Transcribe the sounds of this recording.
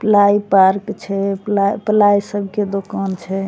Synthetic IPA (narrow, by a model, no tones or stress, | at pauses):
plaipaɾkt͡ʃʰɛplaplaisəbʱked̪okant͡ʃʰɛ